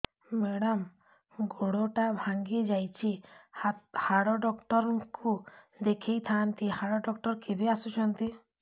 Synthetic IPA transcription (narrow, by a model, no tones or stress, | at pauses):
mɛɽɔm | ɡoɽoʈabʱaŋɡid͡ʒajt͡ʃʰi | haɽɔɖɔkʈɔɾku | d̪ekʰijt̪ʰant̪ihaɽɔɖɔkʈɔɾkibiasut͡ʃʰɔnt̪i